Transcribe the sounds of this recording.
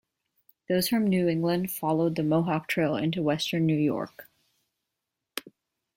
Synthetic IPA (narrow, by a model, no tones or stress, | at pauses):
ðoʊz̥fɹʌ̃mnʉɪ̃ŋɡlɨ̃nd̥fɑlˠoʊd̪̚ðɨmoʊɦɑk̚tʰɹ̥eɪlˠɪ̰̃ntuwɛstə̃˞nːʉjɔ̰ɹk